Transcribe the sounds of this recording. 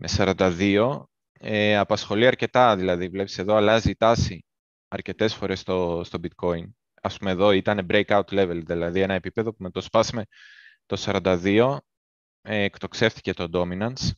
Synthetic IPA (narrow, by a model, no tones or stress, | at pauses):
mʔe̞sɐɾɐnd̪ɐðio̞ | eɐpɐsxo̞liɐɾce̞t̪ɐðilɐðivle̞pi̥se̞ðo̞ɐlɐzit̪ɐsi | ɐɾce̞t̪e̞sfo̞ɾe̞st̪ost̪o̞bit̪ko̞in | ɐspumeðo̞it̪ɐne̞bɾe̞jkɐut̪le̞ve̞lðilɐðie̞nɐe̞pipe̞ðo̞punɐt̪o̞spɐsime̞t̪o̞sɐɾɐnd̪ɐðio̞ | ekt̪o̞kse̞fθi̥ce̞t̪o̞d̪o̞minɐns